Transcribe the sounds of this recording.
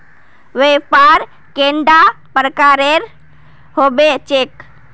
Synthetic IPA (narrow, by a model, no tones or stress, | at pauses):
ʋepaɾ | keɳɖapɾəkaɾeɾ | ɦobet͡ʃek